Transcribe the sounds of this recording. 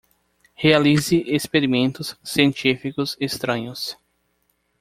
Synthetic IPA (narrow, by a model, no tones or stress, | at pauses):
healizɪʔespeɾimẽnt̪ʊssiẽnt͡ʃifikʊsest̪ɾɐ̃ɲʊs